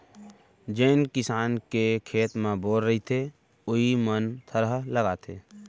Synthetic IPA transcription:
d͡ʒeɪnkɪsaːnkekʰeːt̪mẽboːɾːəɦit̪ʰe | ʊɦimənt̪ʰəɾəɦləɡaːt̪ʰḛː

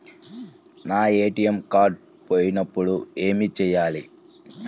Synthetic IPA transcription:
naːe̞ːʈiemkaːɖ | poːjinɐpːuɽue̞ːmit͡ʃɛːjːaːli

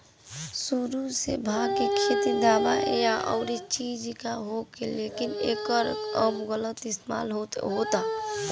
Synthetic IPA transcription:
suɾusḛbʱaːɡkekʰet̪id̪aːbaʔjaʔɔ̰ʊɾet͡ʃiːd͡ʒkaɦokeleːkɪneːkəɾəbɣələt̪ɪst̪ema̰ːlɦot̪ɦoːt̪a

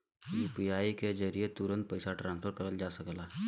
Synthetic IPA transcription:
juːpiaːiked͡ʒəɾijet̪uɾə̃nt̪̚pəɪsaʈɾãːnspʰəɾkəɾəld͡ʒasəkla

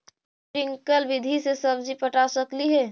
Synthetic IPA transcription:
ɾɪ̃ŋkəlʋɪd̪ʱisesəbd͡ʒipəʈasəkliɦɛ

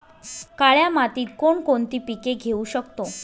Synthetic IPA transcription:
kaɭjamat̪iːt̪̚koɳkont̪iːpikeɡʱeuɕəkt̪o

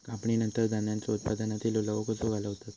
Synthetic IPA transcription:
kapɳinənt̪əɾd͡z̪anjãnt͡saut̪̚pad̪anat̪iːlolaʋəkosoɡʱalaɦot̪at̪

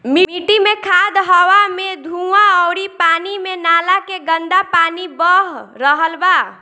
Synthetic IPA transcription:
miiʈimekʰad̪ɦəwamed̪ʱuãɔːɾipaːnimenaːlakeɡənd̪apaːnibəɦɾəɦəlba

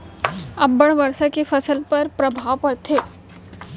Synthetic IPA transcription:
ɐbːəɽ̃ʋɐɾsakefɐsəlpɐɾpɾɐbʱaːʋpɐɾt̪ʰeː

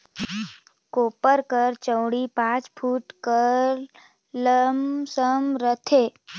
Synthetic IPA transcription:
koːpəɾkəɾt͡ʃə̃wɽipãːt͡ʃpʰuːʈkəɾ | ləmsəmɾət̪ʰeː

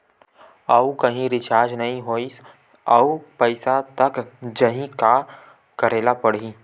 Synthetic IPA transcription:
ɐukɐɦĩɾɪt͡ʃaːɾd͡ʒnɐɦĩɦoːis | ɐupɐɪsat̪ɐkd͡ʒɐɦĩka | kɐɾeːlapɐɽ̤i

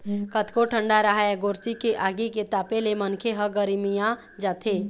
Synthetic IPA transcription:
kət̪koʈʰə̃ɳɖaɾaɦaɛɡoːɾsikeʔaːɡiket̪aːpelemənkʰeɦəɡəɾmijã | d͡ʒaːt̪ʰeː

